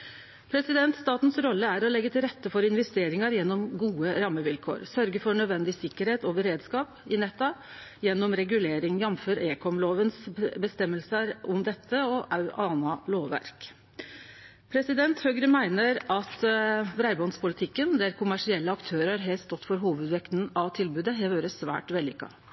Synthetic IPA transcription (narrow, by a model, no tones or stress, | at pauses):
pʰɾɛsɪd̪ɛnt̪st̪ɑːt̪n̩sɾɔlːəæɾɔlɛɡːət̪ʰɪlɾɛt̪ːəfɔɾɪnʋɛst̪eːɾɪŋɑɾjɛnːɔmɡuːəɾɑmːəʋɪlkʰo̰ːɾsœɾɡəfɔɾɳœd̪ʋɛnd̪ɪsɪkːəɾheːt̪ɔʋəɾeːd̪skɑːpɪnɛt̪ːɑjɛnːɔmɾɛɡʉleːɾɪŋjɑmføːɾeːkʰɔmloːʋənsbəst̪ɛmːəlsəɾɔmd̪ɛt̪ʰːəɔʔɑʉʔɑːnɑloːʋʋæ̰ɾk | pʰɾɛsɪd̪ɛnt̪høːɡɾəmæɪnəɾɑt̪bɾæɪbɔnspʊlɪt̪ʰɪkːənd̪æɾkʰʊmæʂɪɛlːəɑkt̪ʰøːəɾɑɾɦɛlst̪ɔt̪ːfɔɾɦuːʋʉd̪ʋɛkt̪n̩ɑʋt̪ʰɪlbʉːd̪əɦɛʋøːɾəsʋæ̰ːʈʋɛlːɪkːɑ̰